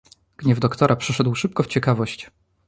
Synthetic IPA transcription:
ɡ̥ɲɛvd̪ɔkt̪ɔɾʔapʂɛʂɛd̪wʂɘp̚kɔft͡ɕɛkavɔɕt͡ɕ

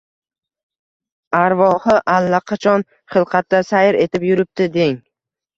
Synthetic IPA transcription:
aɾvɒhɨʔalːaqʰɑt͡ʃʰɒn | χɨlˠqʰɑt̪ːasajɪɾe̞t̪ɪpjʊɾɪp̚t̪ɪd̪eŋ

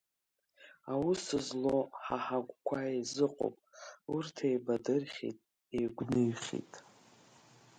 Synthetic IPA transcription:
awusɨzlo̞ħaħaɡʷʼkʷʰaezɨqʼo̰wpʼurtʰejbadɨrχʲḭtʼ | ejɡʷnɨɥχʲḭtʼ

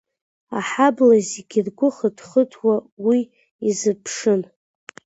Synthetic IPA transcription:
aħablazeɡʲirɡʷʊχədχətʰwawi | izɨpʰʂɨn

